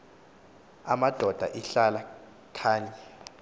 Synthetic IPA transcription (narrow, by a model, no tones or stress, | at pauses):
a̰mad̥ʱɔd̥ʱa̰ʔiɬala | kʰaːɲa